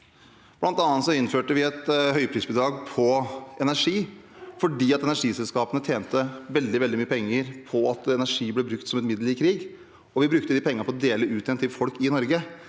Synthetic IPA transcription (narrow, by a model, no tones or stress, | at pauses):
b̥lɑnt̪ɑːnt̪sɔɪnføːʈəʋɪɛt̪hœʏpʰɾiːsbʉd̪ɾɑːɡpʰɔɛnæʂiːfɔɖiːɑt̪ɛnæʂiːsɛlskɑːpənət̪ʰjeːnt̪əʋɛld̪ɪʋɛld̪ɪmyːəpʰɛŋːəɾpʰɔɑt̪ɛnæʂiːblɛbɾʉkt̪sɔmɛt̪mɪd̪əlɪkʰɾiːɡ | ɔʋɪbɾʉkt̪əd̪iːpʰɛŋːnpʰɔɾɔd̪eːləʉːt̪ɪɛnt̪ʰɪlfɔlkɪnɔɾɡə